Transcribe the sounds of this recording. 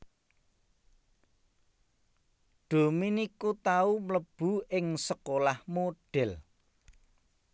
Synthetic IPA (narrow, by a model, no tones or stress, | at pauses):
ɖ̥o̤minikut̪aumləb̥ṳɪŋsəkolahmoɖ̥ɛl